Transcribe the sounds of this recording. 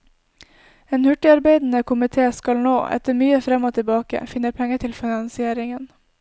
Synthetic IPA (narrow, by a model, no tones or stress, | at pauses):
eːnhʉʈɪɑɾbeɪd̪n̩əkʰʊmɪt̪ʰeːskɑlnoːʔɛ̰t̪əɾmyːəfɾɛmoːt̪ʰɪbɑːkə̰fɪnəɾpʰɛŋət̪ʰɪlfɪnɑnsɪeːɾɪŋən